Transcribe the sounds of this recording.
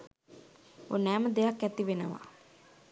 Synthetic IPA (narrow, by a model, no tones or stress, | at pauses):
o̰næːməd̪ejakːæt̪iʋenəʋa̰